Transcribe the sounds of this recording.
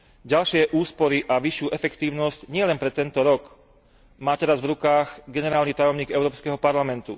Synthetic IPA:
ɟalʃɪɛʔuːspɔɾiʔaʋiʃɪuːʔɛfɛkt̪iːʊnɔscɲɪɛlɛnpɾɛt̪ːɛnt̪ɔɾɔk | maːt̪ɛɾazvɾukaːɣɡɛnɛɾaːlnit̪ajɔmɲiːɡɛʊɾɔːpskɛɦɔpaɾlamɛnt̪u

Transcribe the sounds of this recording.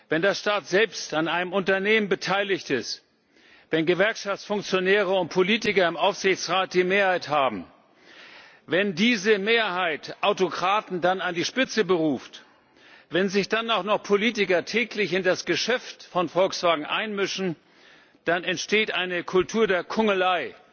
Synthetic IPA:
vɛndeɐʃtaːtz̥ɛlpstanaɪnəmʊntɐneːmənbətʰaɪlɪçtɪst | vɛnɡəvɛɐkʃaft͡sfʊŋkt͡sjonɛːʁəʊnt̚pʰoliːtɪkɐɪmʔaʊfz̥ɪçt͡sʁaːt̚d̥iːmeːɐhaɪthaːbm̩ | vɛndiːzəmeːɐɦaɪtʔaʊtokʁ̥aːtn̩danandiːʃpɪt͡səbəʁuːft | vɛnzɪçd̥anaʊxnɔχpʰoliːtɪkɐtʰɛːklɪçɪndasɡ̥əʃɛftfɔnfɔlksv̥aːɡŋ̩ʔa̰ɪnmʏʃn̩ | d̥anɛntʃteːtʔaɪnəkʰʊltʰuːɐdeːɐkʰʊŋəlaɪ

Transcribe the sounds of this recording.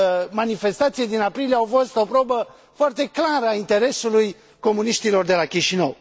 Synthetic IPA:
manife̞st̪at̪sijed̪inapɾilieawfo̞st̪o̞pɾobə | foart̪e̞klaɾəaint̪e̞ɾe̞suluj | ko̞muniʃt̪ilo̞rd̪e̞lakʲiʃinəw

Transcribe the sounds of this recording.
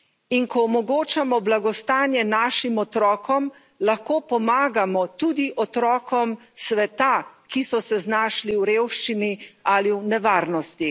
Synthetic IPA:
inkɔːmɔɡoːt͡ʃamɔblaɡɔst̪aːnjɛnaːʃimɔt̪ɾɔːkɔm | laxkoːpɔmaːɡamɔt̪ud̪iʔɔt̪ɾɔːkɔm | sʋɛt̪akisɔsɛznaːʃliwɾeːwʃt͡ʃinialiwnɛʋaːɾnɔst̪i

